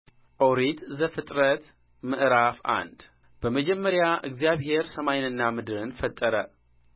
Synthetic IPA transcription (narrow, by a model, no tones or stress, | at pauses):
ʔowɾit̪zəfɨt̪ʼɾət̪ | mɨʔɾafa̰nd̪ | b̥əməd͡ʒɛmːəɾjaʔɨɡzijaβhe̞ɾsəmajnɨnːamɨd̪ɨɾɨnfət̪ʼːəɾə